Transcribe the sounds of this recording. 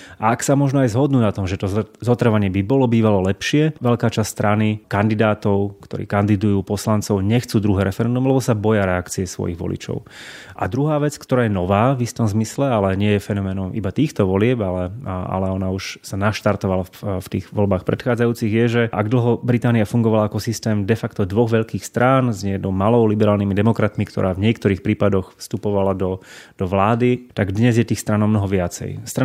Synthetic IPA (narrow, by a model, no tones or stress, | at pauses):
aaksamɔʒnɔajzɦɔd̪nuːnat̪ɔmʒɛt̪ɔzɔt̪r̩ʋaɲɪɛbibɔlɔbiːʋalɔlɛpʃɪɛʋɛʎkaːt͡ʃasst̪ɾʔanikand̪id̪aːt̪ɔʊkt̪ɔ̰ɾḭːkand̪id̪ujuːpɔslant͡sɔʊɲɛxt͡suːd̪ɾuɦɛːɾɛfɛɾɛnd̪umlɛbɔsabɔjaɾɛakt͡siɛsʋɔ̰jḭɣʋɔ̰lḭt͡ʃɔ̰ʊ | ʔa̰d̪ɾuɦaːʋɛt͡skt̪ɔɾaːjɛnɔʋaːvist̪ɔmzmislɛalɛɲɪɛjɛfɛnɔmɛːnɔmibat̪iːxt̪ɔʋɔlɪɛbalɛa̰lɛɔnauʃsanaʃt̪aɾt̪ɔʋalaft̪ḭːɣʋɔlbaːxpɾɛ̰t̪xaːd͡zajuːt͡siɣjɛʒɛʔaɡd̪l̩ɦɔbɾit̪aːniafuŋɡɔʋalaakɔsist̪ɛːmd̪ɛfakt̪ɔd̪ʋɔɣʋɛʎkiːxst̪ɾaːnzɲɪɛd̪ɔmalɔʊlibɛɾaːlnimid̪ɛmɔkɾat̪mikt̪ɔ̰ɾʔaːvɲɪɛkt̪ɔɾiːxpɾiːpad̪ɔxfst̪upɔʋalad̪ɔd̪̥ɔʋlaːd̪it̪aɡd̪ɲɛzjɛt̪iːxst̪ɾaːnɔmnɔɦɔʋɪat͡sɛ̰jst̪ɾa